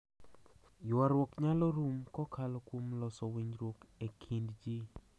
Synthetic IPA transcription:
jaɾwokɲalɔɾumkɔkʰalɔkwomlɔsɔwiɲɾwokekʰindd͡ʒi

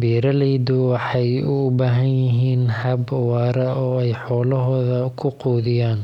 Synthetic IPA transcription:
biːɾɐlɛjd̪ʊwɑħɑjʊbaːɦɐnjɪɦiːnhɐbwɑːɾɐɔːɛjħɔːlɐɦɔːðɐkʰʊquːðɪjaːn

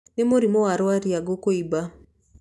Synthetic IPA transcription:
nɪmoɾimoaɾwaɾiaɡokoiba

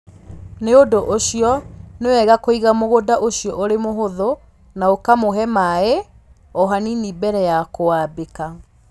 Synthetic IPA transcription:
neodoʔoɕiɔnewɛɣakoiɣamoɣodaʔoɕijɔʔoɾemoɦoðo | naokamoɦɛmae | ɔɦaninibɛɾɛjakowabeka

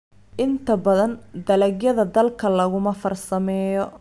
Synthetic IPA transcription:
ʔɪnt̪ʰɐbɐðɐnd̪ɐlɐɡjɐðɐd̪ɐlkʰɐlɐɣʊmɐfɐrsɐmɛːjɔ

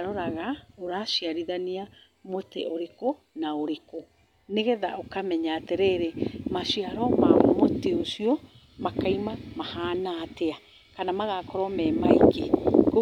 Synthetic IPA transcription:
ɾɔɾaɣaoɾaʃiaɾiðania | motɛ̰ʔoɾeko | naoɾeko | neɣɛðaʔokamɛɲatɛɾɛɾɛmaʃiaɾɔma̰moteoʃiɔ | makaimamahaːnatea | kanamaɣakɔɾɔmɛmaikeko

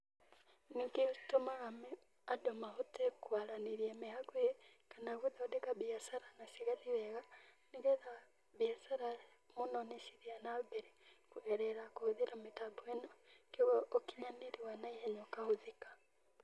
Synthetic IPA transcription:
niːŋɡetomaɣamɛ | adomaotekwaɾaneɾiamehaɡwekanaɣuðaodekabiasaɾanasiɣaðiβɛɣaniɡɛða | biasaɾa | monɔnesiɾianabɛɾekuɛɾɛɾakohoðeɾametabuɛnɔkoɣɔʔokiɲaneɾiwanaihɛɲokahoðikḁ

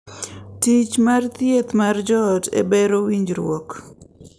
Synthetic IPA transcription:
tit͡ʃmart̪jet̪mard͡ʒɔtḛbeɾowiɲd͡ʒɾwɔk

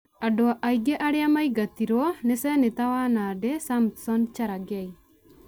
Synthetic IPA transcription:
adɔaʔaiɡɛʔaɾeamaiɡat̪iɾɔnesɛnet̪awanadɛsamt̪sɔnt͡ʃaɾaɡɛj

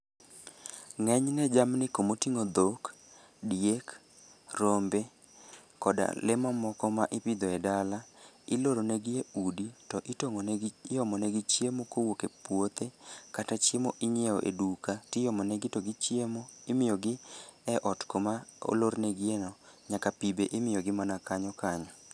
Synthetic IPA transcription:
ŋɛɲnɛd͡ʒamnɪkomotiŋod̪ok | djek | rombe | kɔda̰lɪmɔmɔkɔmaʔɪpɪd̪ɔɛdalaɪloɾonɛɡɪeuditɔʔɪtoŋonjɔmɔnɛɡɪt͡ʃjemokowokepwot̪ekatat͡ʃemoʔɪɲeoʔḛdukatɪjɔmɔnɛɡɪtɔɡɪt͡ʃjemoɪmɪjɔɡɪɛʔɔtkomao̰loɾnɛɡɪenɔɲakapibeʔɪmɪjɔɡɪmanakaɲɔkaɲɔ

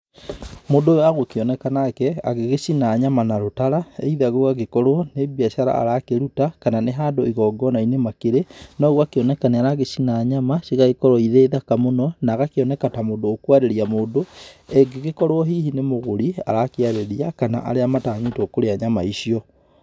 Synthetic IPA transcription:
moːdojaɣokeɔnɛkanakɛa̰ɣeɣesinaɲamanaɾotaɾaeiðaɣoɣaɣekɔɾwɔnebiaʃaɾa̰a̰ɾakeɾutakananeɦaːndoiɣɔːɡɔnainemakeɾenɔɣwakeɔnɛkaneaɾaɣesinaːɲamasiɣaɣekɔɾɔiðeːðakamonɔnaɣakeɔnɛkatamodoːkwaɾeɾiamoːndoeɡeɣekɔɾwɔɦihinemoɣoɾia̰ɾakiaɾeɾiakana̰ʔa̰ɾeamataːɲetokoɾeaɲamaiʃiɔ

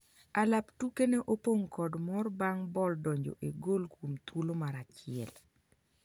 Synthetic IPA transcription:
alaptukeneʔopoŋkɔdmɔrbaŋbɔldɔɲd͡ʒo̰ʔeɡolkomt̪wulomaɾat͡ʃɪɛ̰l

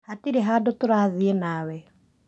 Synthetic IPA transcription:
hatiɾeɦadotoɾaðienawɛ

